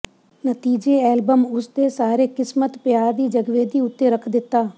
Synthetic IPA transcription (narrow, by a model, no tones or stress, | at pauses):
nət̪iːd͡ʒeɛːlbəmʊsd̪esaːɾekɪsmət̪pɪjaːɾd̪iːd͡ʒəɡʋeːd̪iːʊt̪ːeɾəkʰd̪ɪt̪ːaː